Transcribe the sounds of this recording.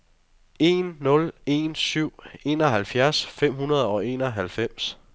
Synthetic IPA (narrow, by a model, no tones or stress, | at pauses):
e̝nːɔ̽le̝̰nsyʊ̰e̝ːnɒ̽ɦælfjæɐsfem̰ɦunɐð̞ˠɒʊe̝ːnɒɦælfem̰s